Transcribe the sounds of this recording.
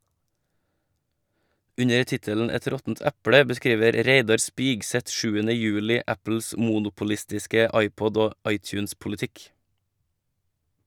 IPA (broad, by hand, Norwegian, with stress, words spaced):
ˈʉɲə ˈtɪtəln̩ ˈɛt ˈɾɔtn̩t ˈɛpɽə bəˈskɾiːʋəɾ ˈɾeɪdɑɾ ˈspɪɡˌsɛt ˈʃʉːənə ˈjʉːlɪ ˈʔæpl̩s ə ˈmuːnʊpʊlɪstɪskə ˈɑɪˌpɔd ˈoː ˈɑɪˌtjʉːnspʊlɪˌtɪk